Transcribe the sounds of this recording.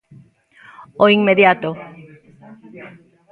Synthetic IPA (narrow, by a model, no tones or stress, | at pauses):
oiŋmeðjat̪o